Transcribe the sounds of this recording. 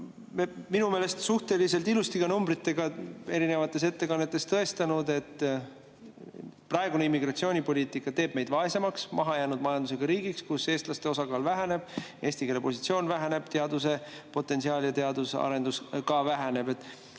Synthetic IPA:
mminume̞ːle̞st̪suht̪e̞lise̞lt̪ilust̪iɡɑnumbɾit̪ːˑe̞ɡ̥ɑe̞ɾine̞vɑt̪ːˑe̞s̬e̞t̪ːe̞kɑnːe̞t̪ːˑe̞st̪ɤe̞st̪ɑnud̪e̞t̪ˑː | prɑe̞ɡuneimːiɡrɑt̪sio̞ːnʲipo̞lʲiːt̪ˑikːˑɑt̪e̞ːb̥̚me̞jd̪̥vɑese̞mɑksmɑɦɑjæːnud̪mɑjɑnd̪use̞ɡ̥ɑɾiːɡikskuse̞ːst̪lɑst̪e̞o̞sɑɡɑːlvæɦæne̞b̥e̞ːst̪ike̞lepo̞sit̪sio̞ːnvæɦæne̞b̥t̪e̞ɑd̪use̞po̞t̪ːˑe̞nsiɑːljɑt̪e̞ɑd̪usɑ̰ɾe̞nd̪̥uskɑvæɦæne̞be̞t̪ːˑ

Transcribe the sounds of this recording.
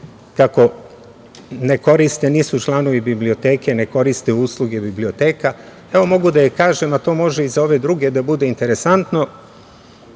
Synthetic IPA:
kako̞ | ne̞ko̞ɾist̪eniːsut͡ʃlˠano̞ʋibibliot̪e̞ːke̞ne̞ko̞ɾist̪euːslˠuɡe̞biblio̞t̪e̞ːka | e̞ʋo̞mo̞ɡud̪ajekaːʒe̞mat̪o̞ːmo̞ʒeizao̞ʋe̞d̪ɾuːɡe̞d̪abud̪e̞int̪e̞ɾesant̪no̞

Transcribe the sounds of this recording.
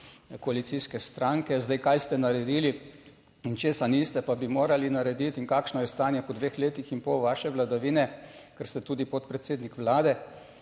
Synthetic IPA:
kɔalit̪siskɛst̪ɾaŋkɛzd̪ajkajst̪ɛnaɾɛd̪iːli | int͡ʃeːsanist̪ɛpabimoːɾalinaɾɛd̪it̪iŋkaːkʃnɔjɛst̪aːnjɛpɔd̪ʋeːxleːt̪ixinpɔwʋaːʃɛʋlad̪aʋiːnɛkɛɾst̪ɛt̪uːd̪ipɔt̪̚pɾɛt̪seːd̪nikʋlaːd̪ɛ

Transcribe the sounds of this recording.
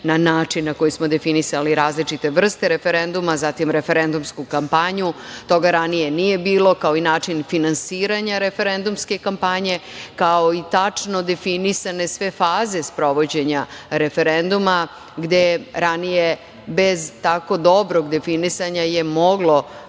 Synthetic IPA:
nanaːt͡ʂinːako̞jismod̪e̞finisaliɾaːzlit͡ʂit̪e̞ʋr̩st̪eɾe̞fe̞ɾend̪umazat̪imɾe̞fe̞ɾe̞nd̪umskukampaɲut̪o̞ɡaɾanije̞nije̞biːlo̞kao̞inaːt͡ʂinfinansiːɾaɲaɾe̞fe̞ɾend̪umske̞kampaɲe̞kao̞it̪at͡ʂno̞d̪e̞finisane̞sʋe̞faːze̞spɾo̞ʋo̞d͡ʑe̞ɲaɾe̞fe̞ɾend̪uma | ɡd̪eɾanije | be̞zt̪ako̞d̪o̞bɾo̞ɡd̪e̞finisaɲaje̞mo̞ɡlo̞

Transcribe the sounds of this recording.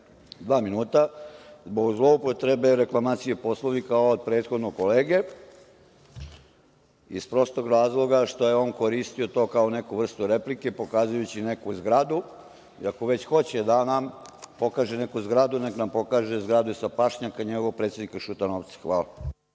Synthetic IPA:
d̪ʋaːminuːt̪azbo̞ɡzlˠo̞upot̪ɾe̞be̞ɾe̞klˠamaːt̪sijepo̞slˠoʋikaoːd̪̚pɾe̞ːt̪xo̞d̪nokoleːɡe̞ | ḭspɾo̞st̪oɡɾaːzlˠo̞ɡaʃt̪o̞jeo̞ːnkoɾist̪iot̪o̞kaone̞kuʋr̩st̪uɾe̞plike̞po̞kaːzujut͡ɕine̞kuzɡɾad̪u | ḭakoʋe̞t͡ɕxo̞t͡ɕed̪anampo̞kaːʒene̞kuzɡɾad̪uneknampo̞kaːʒezɡɾad̪usapaʃɲakaɲeɡoopɾet̪sed̪nikaʃut̪anoʋt̪sḁxʋaːla

